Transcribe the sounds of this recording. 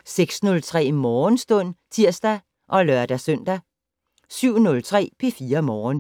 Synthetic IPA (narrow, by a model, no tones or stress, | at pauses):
seɡ̥snɔ̽lt͡sʰʁɛ̰ːmɒːnsd̥ɔ̽n̰t͡sʰiɐ̰sd̥æ | ʔɒ̽lɶɐd̥æsœn̰d̥æ | syʊ̰nɔ̽lt͡sʰʁɛ̰ːpʰe̝fiːɐmɒːn